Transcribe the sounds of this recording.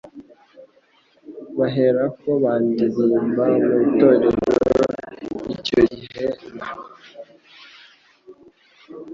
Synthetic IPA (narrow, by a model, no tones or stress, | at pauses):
βaɦeɾako̞βaːndizimbamuβitoɾeɾo | icoɟiɦena